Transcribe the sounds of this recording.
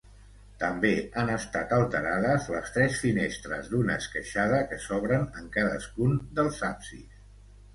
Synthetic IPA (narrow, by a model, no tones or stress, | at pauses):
t̪əmbeənəst̪at̪əlˠt̪əɾaðəzləst̪ɾɛsfinest̪ɾə̰zd̪unəːskəʃaðəkəsɔβɾənəŋkaðə̰skund̪əlˠzapsi